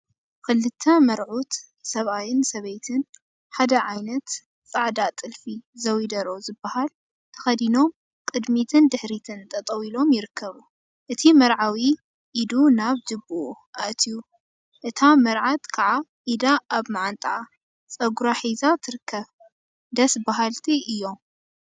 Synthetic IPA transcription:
kɨlːɨt̪ʰːɐmɐɾʕut̪ | sɐβajɪnsɐβejt̪ʰɨn | ħad̪ɐʕajnɐt̪ | t͡sʼaʕd̪at̪ʼɨlfizɐwid̪ɐɾo̞zɨbːɐhal | t̪ʰɐ̥xɐd̪ino̞m | kʼɨd̪mit̪ʰɨnd̪ɨħɾit̪ʰɨnt̪ʰʼɐt̪ʼɐwilo̞mjɪɾɨkʰːɐβu | ʔɨt̪ʰimɐɾʕawi | ʔːd̪unaβd͡ʒɨbuʔuʔaʔt̪ʰiju | ʔɨt̪ʰamɐɾʕat̪kʰaʕaʔid̪aʔaβmaʕant̪ʼaʕa | t͡sʼɐɡuɾaħizat̪ʰɨɾɨkʰːɐβ | d̪ɐsbaɦalt̪ʰiʔɨjːo̞m

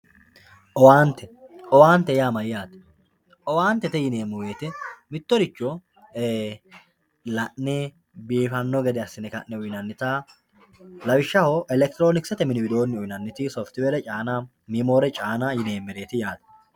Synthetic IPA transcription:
ʔɔwaːnt̪ɛʔɔwaːnt̪ɛjaːmɐjɪjaːt̪ɛ̥ | ʔɔwaːnt̪ːɛt̪ɛjɪne̞ːmːʊwe̞ːt̪ɛmɪt̪ːɔɾɪt͡ʃːɔ | lɐʔnɛ | biːfɐnːɔɡɛd̪ɛɐsːɪnɛkɐʔːɛʊjnɐnːɪt̪aː | lɐwɪʃːɐhoʔɛlɛk̚t̪ɪɾoːnɪksɛt̪ɛmɪnɪbɪd̪o̞ːnːɪʊjnɐnːɪt̪ɪsɔft̪ɪwɛɾɛt͡ʃʼaːnaː | mimo̞ːɾɛt͡ʃʼaːnaːjɪne̞ːmːɪɾe̞ːt̪ɪjaːt̪ɛ̥

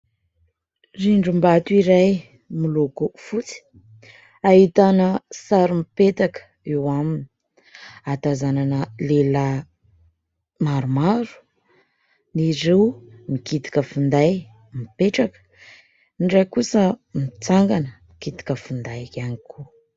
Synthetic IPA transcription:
riɳɖ͡ʐumbat̪uiɾaj | milukufut͡si̥ | aɦit̪anəsaɾumipet̪akə̥ | ewamini | at̪azananəlelə | maɾumaɾu̥ | niɾewmikit̪i̥kəfund̪aj | mipeʈ͡ʂakə̥ | niɖ͡ʐajkusəmit͡saŋɡanəmikit̪i̥kəfund̪ajaniku

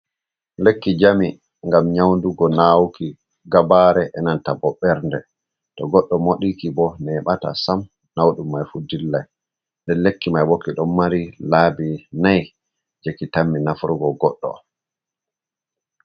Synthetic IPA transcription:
lekːid͡ʒami | ŋɡamɲawnduɡɔnawki | ɡabaɾɛʔɛnantabɔɓɛɾndɛ | tɔɡɔɗːɔmoɗikibɔnɛɓata̰sam | nawɗumːajfudilːaj | ndɛnlekːimajbokːiɗɔmːaɾilaːbinaj | d͡ʒekːitamːinafuɾɡɔɡɔɗːɔ̰

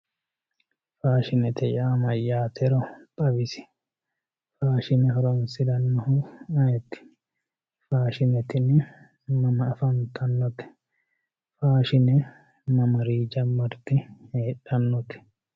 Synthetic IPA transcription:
faːʃɪnɛt̪ɛjaːmɐjːaːt̪ʰɛɾɔt̪ʼɐbɪsɪ̥ | faːʃɪnɛɦɔɾɐnsɪd̪ɐnːɔhʊɐjɛt̪ːɪ̥ | faːʃɪnɛt̪ɪnːɪ | mɐmɐːfɐnt̪ʰʼɐnːɔt̪ɛ̥ | faːʃɪnɛ | mɐmɐɾiːd͡ʒɐmːɐɾt̪ːɪheːᶑɐnːɔt̪ɛ̥

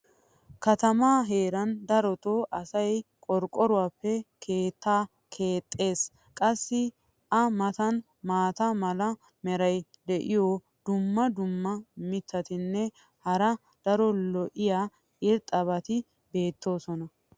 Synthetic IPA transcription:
kɐt̪ɐmaːɦe̞ːɾɐnd̪ɐɾɔt̪oːʔɐsɐjkʼɔɾkʼːɔɾʊwaːpːɛkʰe̞ːt̪ːaː | kʰe̞ːt̪ʼːe̞ːs | kʼɐsːɪ | ʔɐmɐt̪ɐn | maːt̪ɐmɐlɐ | mɛɾɐj | d̪ɛʔɪjo | d̪ʊmːɐd̪ʊmːɐmɪt̪ːɐt̪ɪnːɛ | hɐɾɐ | d̪̥ɐɾɔlɔʔɪja | ʔɪɾt̪ʼɐbɐt̪ɪ | be̞ːt̪ːo̞ːsɔnɐ

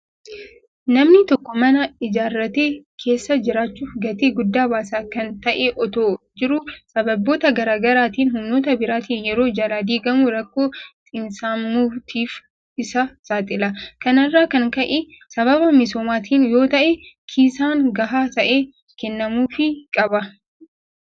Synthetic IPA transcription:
nɐmnɪt̪ɔkːɔmɐnɐɪd͡ʒaːrːɐt̪eːkʰe̞ːsːɐd͡ʒɪɾaːt͡ʃːuːfɡɐt̪eːɡʊd̪ːaːbaːsaːkɐnt̪ɐʔeʔɔt̪o̞ːd͡ʒɪɾʊsɐbɐbːo̞ːt̪ɐɡɐɾaːɡɐɾaːt̪iːnɦʊmno̞ːt̪ɐbɪɾaːt̪iːnjɛɾo̞ːd͡ʒɐlaːd̪iːɡɐmʊɾɐkːo̞ːt̪ʼɪnsaːmːuːt̪ʰiːf | ɪsɐsaːt̪ʼɪlɐkɐnɐrːaːkɐŋkɐʔɛ | sɐβɐβɐmɪs̬o̞ːmaːt̪ʰiːnjo̞ːt̪ɐʔɛkʰiːsaːŋɡɐɦaːt̪ɐʔeː | kɛnːɐmuːfɪkʼɐbɐ

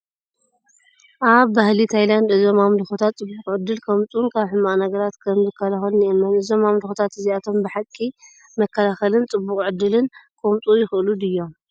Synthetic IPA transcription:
ʔaβːahlit̪ʰajland̪ʔɨzo̞mamluxot̪ʰat̪t͡sʼɨbːukʼʕɨd̪ːɨlkʰɐmt̪ʼunkʰaβħɨmːaʔnɐɡɐɾat̪kʰɐmzɨkʰːɐlaxɐlnʔemːɐnɨzo̞mamluxot̪ʰat̪ɨziat̪ʰo̞mbɨħakʼːi | mɐkːɐlaxɐlɨnt͡sʼɨbːukʼʕɨd̪ːɨlɨnkʰʼomt̪ʼujɪxʔɨlud̪ɨjːo̞m

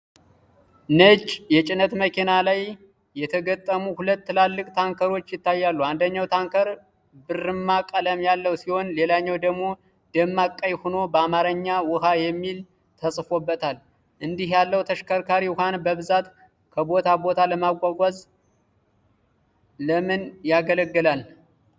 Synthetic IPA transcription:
nət͡ʃːʼjɛt͡ʃʼɪnːət̪məkʰinalaj | jɛt̪ʰəɡət̪ʼːəmuhulət̪ːɨlalːɨkʼt̪ʰaŋkʰəɾo̞t͡ʃːjɪt̪ːajːalːuand̪əɲːawt̪ʰaŋkəɾ | bɨrɨmːakʼələmjalːəwsiho̞nle̞laɲːawd̪əɡmo̞ | d̪̥əmːakʼːajhono̞bəamaɾəɲːawʊɦajɛmːil | t̪ʰəsʼfo̞bːət̪ʰal | ʔɨnd̪ihjalːəwt̪ʰəʃkʰəɾkʰaɾihʷanbəβɨzat̪ | kʰəbo̞t̪ʰabo̞t̪ʰaləmaɡʷaɡʷaz | ləmɨnjaɡələɡːɨlal

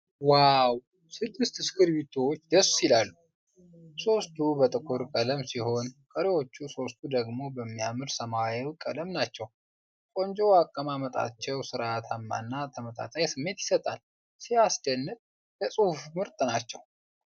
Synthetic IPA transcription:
waw | sɨdːɨst̪ɨskɨɾbit̪ʰot͡ʃːd̪əsilalːu | so̞st̪ʰubət̪ʼɨkʼʊɾkʼələmsiho̞nkʼəɾewo̞t͡ʃːuso̞st̪ʰud̪əɡmo̞bəmːijamɨlsəmaɛwkʼə̰ləmnat͡ʃːɛw | kʼo̞nd͡ʒoakʼːəmamət̪ʼa̰t͡ʃːɛwsɨɾat̪ʰamːa̰nːat̪ʰəmət̪ʼa̰t̪ʼajsɨmːe̞t̪jɪsət̪ʼal | siasd̪ənːɨt̪̚ʼ | jəsʼuhfmɨɾt̪ʼnat͡ʃːɛ̰w

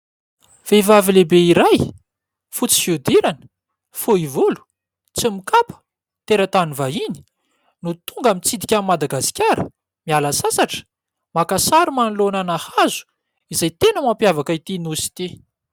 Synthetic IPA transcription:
v̥evavilebeiɾaj | fut͡si̥fud̪iɾanə̥ | fuivulu̥ | t͡simikapə̥ | t̪eɾət̪anivaini̥ | nut̪uŋɡamint͡sid̪ikʲammad̪aɡasi̥kʲaɾə̰ | mialasasaʈ͡ʂə̥ | makasaɾimanlonanahazu̥ | izajt̪enəmampjavakait̪inusi̥t̪i

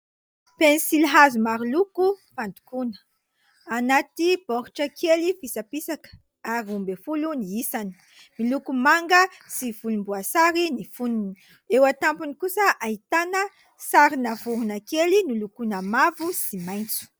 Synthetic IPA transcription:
penisilɦazumaɾilukufand̪u̥kunə̥ | anat̪ib̥ɔɾuʈ͡ʂəkʰelifisapisakə̥ | aɾiumbefuluniisani̥ | milukumaŋɡəsivulumbuasaɾinifununi | ewat̪ampunikusəʔait̪anə | saɾinavuɾunakelinulukunamavusimajnt͡su̥

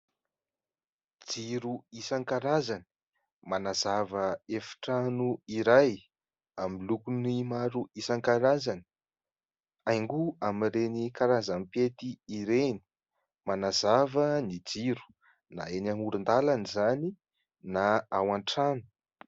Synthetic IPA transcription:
d͡ziɾuisaŋkaɾazani̥ | manazavəefi̥ʈ͡ʂanuiɾaj | amilukunimaɾuisaŋkaɾazani̥ | ajŋɡuamiɾenikaɾazampet̪iiɾeni̥ | manazavənid͡ziɾu̥ | na̰enamuɾund̪alanizani | naawaɳʈ͡ʂanu̥

